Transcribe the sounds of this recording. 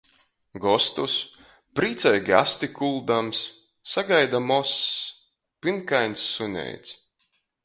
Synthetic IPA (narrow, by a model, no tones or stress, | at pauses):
ɡɔst̪us | pɾiːt̪sajɡa̰st̪ikulˠd̪amsː | aɡajd̪amɔs | pinkajnʲsːunʲɛ̰jt̪s